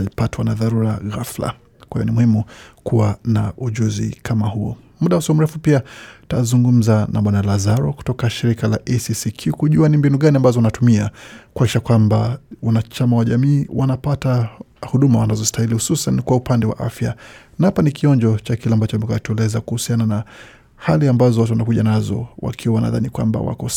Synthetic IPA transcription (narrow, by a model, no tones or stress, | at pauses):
lipatwanaðaɾuɾaɣafla̰ | kwaijɔnimuhimukuwanaʔuʄuzḭkʰamahuɔ̰ | muɗausɔm̩ɾɛfupiatazuŋɡum̩zanʔa̰ɓwanalazaɾɔku̥tɔkaʃiɾikala̰ʔɛsisikʰjukuʄuanimbinuɠaniambazɔunatumiakuaki̥ʃakwambawanat͡ʃamawaʄamiːwʔanapata | huɗumawanazɔstahilihususankwaupandɛwa̰ʔa̰fjanaapanikiɔɲd͡ʒɔt͡ʃakilɛambat͡ʃɔmɛkatuɛlɛzakuhusianana | haliambazɔwat̬uwanakuʄanazɔ̰wa̰kʰiwawana̰ða̰nikwa̰mba̰wa̰kɔ